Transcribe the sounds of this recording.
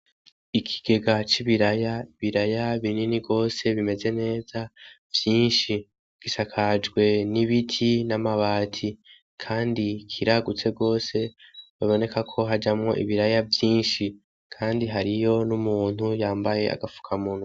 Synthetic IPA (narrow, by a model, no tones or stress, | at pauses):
ikʰi̥ɡ̥e̞ɡat͡ʃiβiɾajaiβiɾajaβininiɡo̞ːse̞βime̞ze̞ne̞ːza | vjiːnʃi | ɡ̥iʃakʰad͡ʒɡwe̞niβitʰinamaβaːtʰi | kʰaːndikʰiɾaɡut͡se̞ɡo̞ːse̞βaβo̞ne̞kakʰo̞ɦad͡ʒamŋo̞̰ʔḭβiɾajavjiːnʃi | kʰaːndiɦaɾijo̞numuːn̥hujaːmbaje̞a̰ɡafu̥kʰamun̥hu